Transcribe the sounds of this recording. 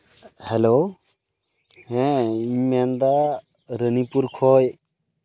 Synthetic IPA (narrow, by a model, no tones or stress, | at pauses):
helo | hɛ̃imɛnd̪a | ɾənipuɾkʰɔj